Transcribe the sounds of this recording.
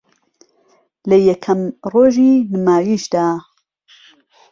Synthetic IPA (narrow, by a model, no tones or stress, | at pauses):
lɐjɛkʰɐmroːʒiːnɨmaːwiːʃd̪aː